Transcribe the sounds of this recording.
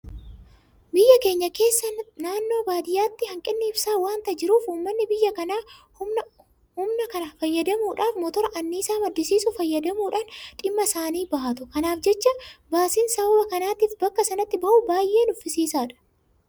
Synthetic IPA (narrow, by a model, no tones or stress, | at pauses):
bɪjːɐke̞ːɲːɐke̞ːsːɐnaːnːo̞ːbaːd̪ɪjaːt̪ːɪhɐŋkʼɪnːɪɪbsaːwaːnt̪ɐd͡ʒɪɾuːfuːmːɐnːɪbɪjːɐkɐnaː | ʊ | hʊmnɐkɐnɐfɐjːɐd̪ɐmuːᶑaːfmɔt̪ɔɾɐʔɐnːiːsaːmɐd̪ːɪsiːsʊfɐjːɐd̪ɐmuːᶑaːnᶑɪmːɐsaːniːbɐhɐt̪ʊkɐnaːfd͡ʒɛt͡ʃːɐbaːsiːnsɐbbɐkɐnaːt̪iːfbɐkːɐsɐnɐt̪ːɪbɐʔʊbaːjʔːe̞ːnʊfːɪsiːsaːᶑɐ̥